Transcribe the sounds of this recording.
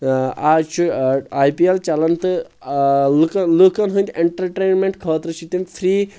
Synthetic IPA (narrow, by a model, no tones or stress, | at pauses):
aːt͡ʃʰuaːjpielt͡ʃɐlɐnt̪ɨ | lkɐlukɐnɦũnt̪ʲeɳʈɐɾʈeːnmẽɳʈkʰoːt̪ɾɨʃʰit̪impʰɾiː